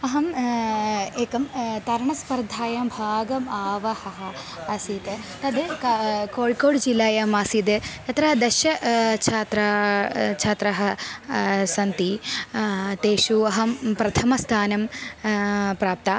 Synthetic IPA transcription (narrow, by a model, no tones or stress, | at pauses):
ɐɦɐm | eːkɐmt̪ɐɾɐɳɐspɐɾd̪ʱaːjɐmbʱaːɡɐmaːʋɐhɐɦɐ | ɐsit̪e | t̪ɐd̪ekkoːɭkoːɽd͡ʒilːaːjɐmaːsid̪eɐt̪ɾɐɦɐd̪ɐʃjɐt͡ʃʰaːt̪ɾɐt͡ʃʰaːt̪ɾɐɦɐ | sɐnt̪i | t̪eːʃuɐɦɐmpɾɐt̪ʰɐmɐst̪ʰaːnɐm | pɾaːp̚t̪aː